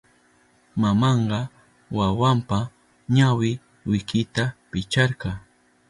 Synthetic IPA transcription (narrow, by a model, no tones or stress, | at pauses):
mamɑɴɢɑ | wawampa | ɲawɪ | wɪkɪt̪apɪt͡ʃɑɾɢɑ